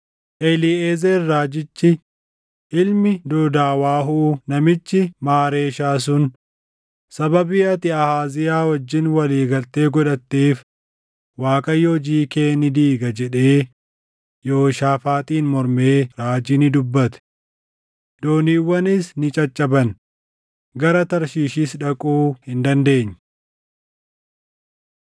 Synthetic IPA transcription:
ʔɛlieːzeɾːaːd͡ʒɪt͡ʃːɪ | ɪlmɪd̪oːd̪aːwaːɦuːnɐmɪt͡ʃːɪmaːɾe̞ːʃaːs̬ʊn | sɐbɐbɪjɐt̪ɪɐhaːzɪjaːwɐd͡ʒːɪnwɐliːɡɐlt̪e̞ːɡɔᶑɐt̪ːeːf | waːkʼɐjːod͡ʒiːke̞ːnɪd̪iːɡɐd͡ʒɛᶑeː | joːʃaːfaːt̪ʼiːnmɔɾme̞ːɾaːd͡ʒɪnɪd̪ʊbːɐt̪ɛ̥ | d̪oːniːwːɐnɪsnɪt͡ʃʼɐt͡ʃʼːɐbɐn | ɡɐɾɐt̪ɐɾʃiːʃiːsᶑɐkʼuːhɪnd̪ɐnd̪e̞ːɲː

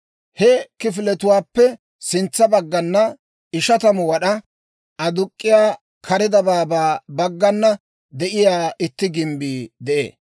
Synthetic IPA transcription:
hɛkɪfɪlɛt̪ʊwaːpːɛ | sɪnt͡sːɐbɐɡːɐnːɐ | ɪʃɐt̪ɐmɔwɐɗɐ | ʔɐd̪ʊkʼːɪjaː | kʰɐɾɪd̪ɐbaːbaːbɐɡːɐnːɐ | d̪ɛʔɪjaːɪt̪ːɪɡɪmbiːd̪ɛʔḛː

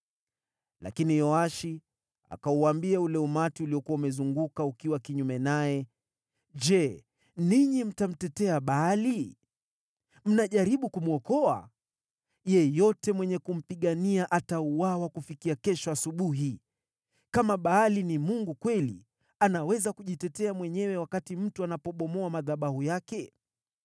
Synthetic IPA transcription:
la̰kinijɔaʃi | a̰kauambiaulɛumatiuliɔkuwaumɛzuŋɡukaukiwakiɲumɛnajɛ | ʄɛ | niɲim̩tam̩tɛtɛaɓaali | m̩naʄaɾiɓukumuɔkɔa̰ | jɛjɔtɛmwɛɲɛkum̩piɠaniaʔatauwawakufikiakɛʃɔasuɓuɦi | kamaɓaːlinimuŋɡukwɛlḭ | anawɛzakuʄitɛtɛamwɛɲɛwɛwakatim̩tuanapɔɓɔmɔamaðaɓahujakɛ

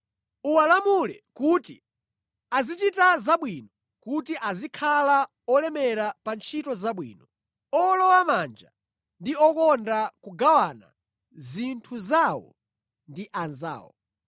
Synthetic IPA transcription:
uwalamulɛ̰kuːtḭ | azit͡ʃitazaɓwinɔ | kutiʔazikʰala | ɔlɛmɛɾapant͡ʃʰitɔzaɓwḭːnɔ | ɔlɔwamand͡ʒa̰ | ndiɔkɔndakuɡawana̰ | zintʰuzawɔ̰ | ndiʔanza̰ːwɔ̰

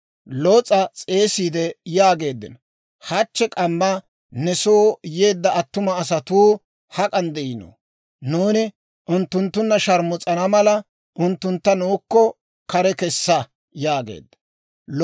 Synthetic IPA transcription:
lot͡sʼɐt͡sʼe̞ːsiːd̪ɛjaːɡe̞ːd̪ːɪ̰n | hɐt͡ʃːɛkʼɐmːɐ | nɛsoːjeːd̪ːɐɐt̪ːʊmɐːs̬ɐt̪uː | hɐkʼɐnd̪ɛɪno̰ | nuːnɪ | ʔʊnt̪ːʊnt̪ːʊnːɐʃɐɾmʊt͡sʼɐnɐmɐlɐ | ʔʊnt̪ːʊnt̪ːɐnuːkːɔ | kɐɾɛkɛsːɐ | jaːɡḛːd̪ːɐ̥

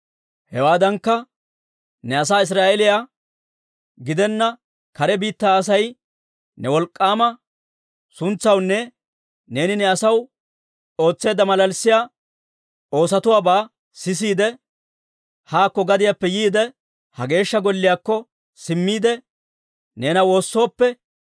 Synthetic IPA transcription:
hɛwaːd̪ɐŋkːɐ | nɛɐs̬aːɪs̬ɾaːʔɛlɪjaː | ɡɪd̪ɛnːɐ | kɐɾɛbiːt̪ːaːs̬ɐj | nɛwɔlkʼːaːmɐ | sʊnt͡sːɐwnːɛ | ne̞ːnɪnɛɐsɐw | o̞ːt͡sːe̞ːd̪ːɐmɐlɐlsːɪjaː | o̞ːsɐt̪ʊwaːbaː | sɪs̬iːd̪ɛ | haːkːɔɡɐd̪ɪjapːɛjiːd̪ɛ | hɐɡe̞ːʃːɐɡɔlːɪjaːkːɔ | sɪmːiːd̪ɛ | ne̞ːnɐwo̞ːsːo̞ːpːɛ

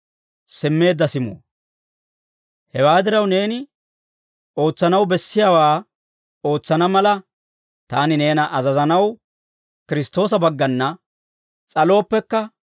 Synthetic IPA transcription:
sɪmːe̞ːd̪ːɐsɪmo̰ː | hɛwaːd̪ɪɾɐwne̞ːnɪ | o̞ːt͡sːɐnɐwbɛsːɪjaːwaː | o̞ːt͡sːɐnɐmɐlɐ | t̪aːnɪne̞ːnɐʔɐzɐzɐnɐw | kɪɾɪst̪o̞ːs̬ɐbɐɡːɐnːɐ | t͡sʼɐlo̞ːpːɛkːɐ

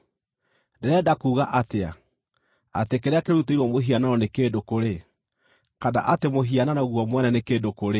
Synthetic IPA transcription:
ndɛɾɛdakuːɣaʔatea̰ | a̰tekeɾeakeɾuteiɾwɔmoɦianaɾɔnekeːdokoɾe | kada̰ʔatemoɦiananaoɣwɔmwɛnɛnekeːdokoɾe

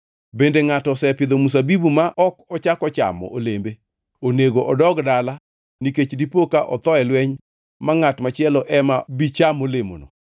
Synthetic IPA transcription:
bendeŋatɔsɛpɪd̪omus̬abibumaʔɔkɔt͡ʃakɔt͡ʃa̰mɔ̰ʔolembe | oneɡoʔɔdɔɡdala | niket͡ʃdipokaʔɔt̪ɔɛlwɛɲ | maŋatmat͡ʃɪɛlɔʔɛmabit͡ʃamolemo̰no̰

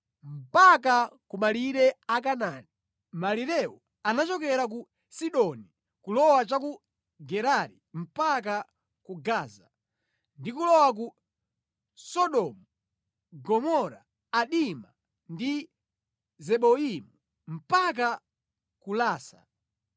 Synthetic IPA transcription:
m̩pakakumaliɾɛakanani | maliɾɛɔ | anat͡ʃɔkɛɾak̬u | siɗɔni | kulɔwat͡ʃaku | ɡɛɾaɾim̩pak̬a | kuɡaːza | ndikulɔwak̬u | sɔɗɔmu | ɡɔmɔɾaː | ɗima | ndi | zɛɓɔimu | m̩pak̬a | kulaːsa̰

